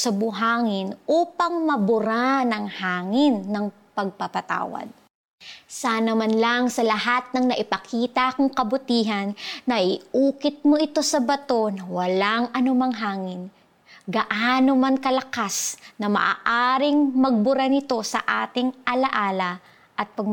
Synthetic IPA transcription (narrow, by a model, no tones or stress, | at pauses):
sɐbʊɦaːŋɪnʔuːpɐŋmɐbʊɾanɐŋhaːŋɪnːɐŋ | pɐɡ̚pɐpɐt̪a̰ːwɐ̰d̪̚ | saːnɐmanlɐŋsɐlɐɦat̪̚nɐŋnɐʔɪpɐkʰiːt̪ɐkʊŋkɐbʊt̪iːɦɐnːɐʔɪʔuːkɪt̪̚mo̞ʔɪt̪o̞sɐbɐt̪o̞nɐwɐlaŋʔɐnʊmaŋɦaːŋɪn | ɡɐʔaːnomankɐlɐkasnɐmɐ̰ʔa̰ːʔaːɾɪŋmɐɡ̚bʊɾanɪt̪o̞sɐ̰ʔa̰ːt̪ɪŋʔɐlɐʔaːlɐ | ʔɐt̪̚pɐɡ